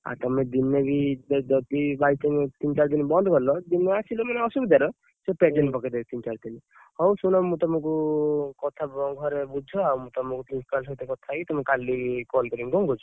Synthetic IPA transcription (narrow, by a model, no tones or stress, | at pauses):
a̰t̪ɔmẽd̪inːebʱid͡ʒɔt̪ibait̪iŋt̪int͡ʃaɾd̪inbɔnd̪kɔlɔd̪inːeasʰilɔmaneɔsubid̪aɾɔ | sɔped͡ʒenpɔked̪et̪int͡ʃaɾd̪in | hɔwsunɔmũt̪ɔmɔ̃kukɔt̪ʰabɔɡʱɔɾebud͡ʒʱɔawmũt̪ɔmɔ̃kupinspals̬ɔt̪ekɔt̪ʰait̪ɔmekalikɔlkɔɾiŋɡɔŋɡʱɔd͡ʒɔ